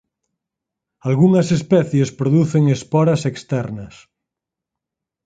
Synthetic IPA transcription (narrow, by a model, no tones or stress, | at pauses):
alɣuŋɐsespɛθjespɾoðuθeŋespɔɾɐsekst̪ɛɾnɐs